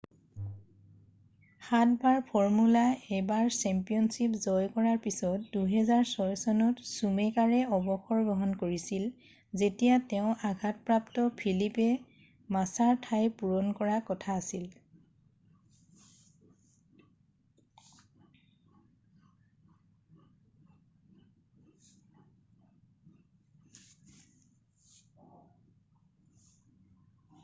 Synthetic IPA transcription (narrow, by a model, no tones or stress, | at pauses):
xatbaɹpʰɔɹmulaɛbaɹsɛmpijɔnsipzɔjkɔɹaɹpisɔtduɦɛzaɹsɔjsɔnɔtsumekaɹɛɔbɔxɔɹɡɔɦɔnkoɹisil | zetijatɛʊ̃ʔaɡʱat̚pɹaptɔpʰilipɛ | masaɹtʰajpuɹɔnkɔɹakɔtʰaːsil